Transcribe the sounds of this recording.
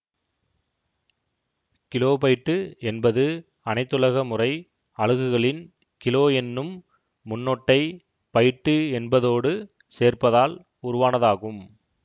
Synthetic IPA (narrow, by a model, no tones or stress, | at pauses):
kɪloːp̬ɐjɪʈːɯɛnbɐðɯ | ɐnɐɪt̪ːɯlɐɣɐmʊrɐɪ | ɐɻɯɣɯɣɐɭɪn | kɪloːɛnːɯmː | ʊnːoːʈːɐɪ | pɐjɪʈːɯɛnbɐðoːɽɯ | seːrpɐðaːl | ʊɾʊʋaːnɐðaːɣɯm